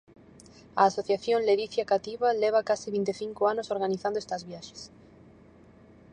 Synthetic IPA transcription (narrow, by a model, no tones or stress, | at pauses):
a̰ːsoθjaθjonleðiθjakat̪iβaleβ̞akasiβint̪eθiŋkoanosoɾɣaniθand̪est̪azβjaʃe̥s